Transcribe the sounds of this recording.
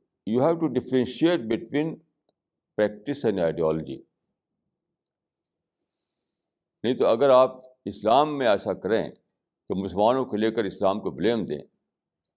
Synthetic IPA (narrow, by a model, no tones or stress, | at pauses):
juːɦɛːʋʈuɖɪfɾẽnʃieːʈ̚bɪʈwĩːn | pɾɛːk̚ʈɪsɛ̃nɖaɪɖiɔːləd͡ʒḭ | nɐɦĩt̪oɐɡəɾaːp̚ | ɪslaːmːẽɛːsakɐɾḛ̃ː | kemʊsəlmaːnõkeleːkəɾɪslaːmkoblẽːmd̪ḛ̃ː